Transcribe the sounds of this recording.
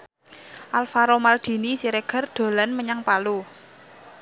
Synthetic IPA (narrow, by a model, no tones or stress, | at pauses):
ʔalfaɾomald̪̥i̤nisiɾeɡ̥ə̤rd̪̥o̤lanməɲaŋpalu